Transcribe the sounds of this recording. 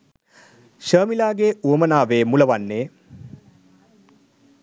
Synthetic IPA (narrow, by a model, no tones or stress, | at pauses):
ʃəːmilaːɡeuɐmənaːʋeːmulɐʋanːeː